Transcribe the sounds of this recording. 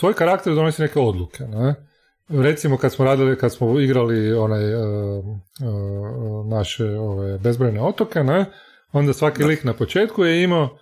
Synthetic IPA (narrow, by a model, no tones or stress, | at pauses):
sʋo̞ːjkaɾakt̪eɾd̪o̞nosine̞keo̞d̪lˠukʰene | ɾe̞t̪simokad̪smoɾaːd̪ilikad̪smoiɡɾalio̞naj | naʃeo̞ʋajbe̞zbɾejneo̞t̪oke̞ne | o̞nd̪asʋakiliknapot͡ʃe̞ːt̪kujeima